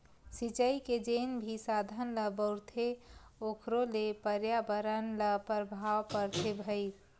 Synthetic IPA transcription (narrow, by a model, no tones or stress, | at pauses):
sit͡ʃəiked͡ʒenbʱisad̪ʱənləbəʊɾt̪ʰeokʰɾolepəɾjabəɾənləpəɾbʱawpəɾt̪ʰebʱəɪt̪